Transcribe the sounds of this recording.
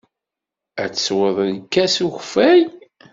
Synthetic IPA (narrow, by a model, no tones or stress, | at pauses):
æt͡sːswəðˤnkːæsuçfæj